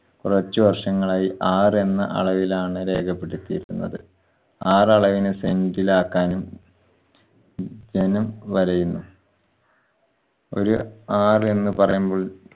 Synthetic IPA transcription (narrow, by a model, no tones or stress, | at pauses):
kurɐt͡ɕːuʋɐrʂɐŋːɐɭaːjiʔaːre̞nːɐʔɐ̰ɭɐʋilaːɳɨɾe̞ːkʰɐpːe̞ɽut̪ːijḭɾunːɐ̰ðɨ | aːrɐɭɐʋinɨsendilaːkːaːnum | d͡ʑenɐmʋɐɾɐjunːu | o̞̰ɾuaːre̞nːɨpɐrɐ̰jumbo̞ːɭ